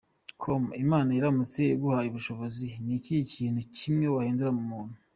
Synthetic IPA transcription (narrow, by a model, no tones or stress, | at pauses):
kʰomimaːnajiɾamut͡seɡuhajuβuʃo̞βo̞zinikiicʰiːn̥ucimŋewahiːnduɾamumuːn̥hu